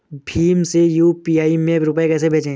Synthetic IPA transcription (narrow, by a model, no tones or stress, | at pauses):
bʱiːmsejuːpiːaːimẽɾʊpekɛːsebʱeːt͡ʃẽː